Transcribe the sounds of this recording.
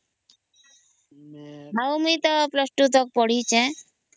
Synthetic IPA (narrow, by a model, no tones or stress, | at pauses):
ɦawmit̪ɔplɔsʈut̪ɔk̚pɔɽ̤it͡ʃʰɛ̃